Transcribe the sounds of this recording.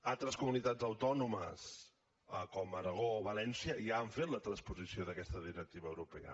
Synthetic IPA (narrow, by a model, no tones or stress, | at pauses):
alˠt̪ɾəskumunit̪ad͡zəwt̪ɔnumə̰s | əkɔməɾəɣ̞oːβəlɛnsiəiaːɱfet̪lət̪ɾənspuzisioðəkɛst̪əðiɾək̚t̪iβəːwɾupɛə̰